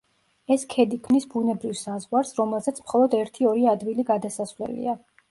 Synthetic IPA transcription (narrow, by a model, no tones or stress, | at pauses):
ɛskʰɛd̪ikʰmnisbunɛbɾivsazʁwaɾsɾɔmɛlˠzɛt̪sʰmχɔlˠɔd̪ɛɾt̪ʰiɔɾiad̪viliɡad̪asasvlɛ̰lḭa